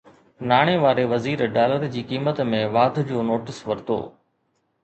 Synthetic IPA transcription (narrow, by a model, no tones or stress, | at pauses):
naːɽ̃eʋaːɾeʋɐziːɾɖaːləɾd͡ʑiːkiːmət̪mẽʋaːd̪ʱd͡ʑoːnoːʈɪsʋɐɾt̪o̰ː